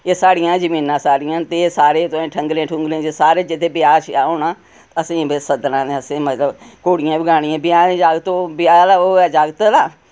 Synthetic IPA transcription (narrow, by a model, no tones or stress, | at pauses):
eːsaːɽɪjãːzəmiːnãːsaːɽɪjãːt̪esaːɾeːt̪oẽːʈʰəŋɡlẽːʈʰʊ̃ŋɡlẽːt͡ʃesaːɾeːd͡ʒɪt̪ʰːeːbɪjaːɾt͡ʃaːoːɳãː | t̪əsĩːbesəd̪nãːneəsẽːmət̪ləbkoːɽɪjãːbɪɡaːɽɪjãːbɪjãːnẽːd͡ʒaːɡt̪obɪjaːlaːoːɛːd͡ʒaːɡt̪ːlaː